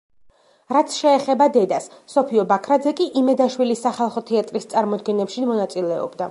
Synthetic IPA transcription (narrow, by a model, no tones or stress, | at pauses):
ɾat̪sʰʃɛːχɛbad̪ɛd̪asːɔpʰiɔbakʰɾad̪zɛkʼiʔimɛd̪aʃwilisːaχalˠχɔt̪ʰɛat̪ʼɾist̪sʼaɾmɔd̪̚ɡɛnɛpʃimɔnat̪sʼilɛɔ̰bd̪a